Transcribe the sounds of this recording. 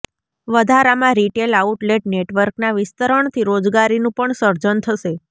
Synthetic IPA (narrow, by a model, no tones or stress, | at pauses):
ʋəd̪ʱaɾamãɾiʈelauʈleʈneʈʋəɾknaʋɪst̪əɾəɳt̪ʰiɾod͡ʒɡaɾinũpəɳsəɾd͡ʒənt̪ʰəʃe